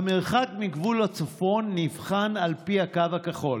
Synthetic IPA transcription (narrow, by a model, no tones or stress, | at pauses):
ameʁχakmiɡvulhat͡sofo̞nːivχanalpihakavakaχo̞l